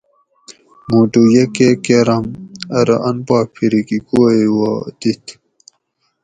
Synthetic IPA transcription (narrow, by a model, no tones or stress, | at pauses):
muʈujekekeɾɐmɐɾɐʔɐnpaːk̚pʰiɾikikoewad̪it̪ʰ